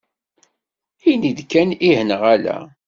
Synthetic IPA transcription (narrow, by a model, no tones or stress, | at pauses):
iniðkːænihənəʁælæ̰